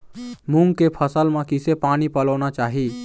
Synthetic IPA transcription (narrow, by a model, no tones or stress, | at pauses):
mũŋɡkepʰəsəlmãkisepaːnipələʊnat͡ʃaːɦi